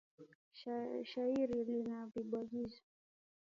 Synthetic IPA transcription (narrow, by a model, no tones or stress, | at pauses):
ʃaiɾilinaviɓwaɠizɔ